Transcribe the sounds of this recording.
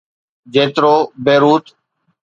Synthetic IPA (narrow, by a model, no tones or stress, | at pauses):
d͡ʒeːt̪ɾoːbeːɾuːt̪